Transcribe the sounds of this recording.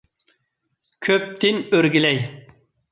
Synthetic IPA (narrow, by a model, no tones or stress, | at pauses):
kʲʰøp̚t̪ʰɪnøɾɡʲilɛj